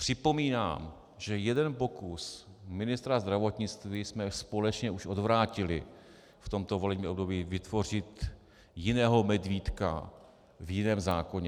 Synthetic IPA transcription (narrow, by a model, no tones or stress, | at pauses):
pr̥ɪpo̞miːna̰ːm | ʒɛjɛdɛnpo̞kusmɪnɪst̪ɾazd̪ɾavo̞t̪ɲɪt͡st̪viːsmɛspo̞lɛt͡ʃɲɛʔuʃʔo̞dvɾaːcɪlɪ | ft̪o̞mt̪o̞vo̞lɛbɲiːobdobiːvɪt̪vo̞r̝ɪt̪ | jɪnɛːɦomɛdviːt̪ka̰ | vjɪnɛːmzaːko̞ɲɛ